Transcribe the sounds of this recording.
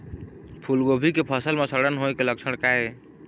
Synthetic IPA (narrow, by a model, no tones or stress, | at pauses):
pʰulɡobʱikepʰəsəlmesəɾɽənɦojkeləksʰəɽkae